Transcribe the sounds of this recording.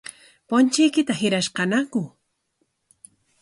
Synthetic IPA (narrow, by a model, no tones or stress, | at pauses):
pont͡ʃɪjkɪt̪ahɪɾaʃqɑnakʊ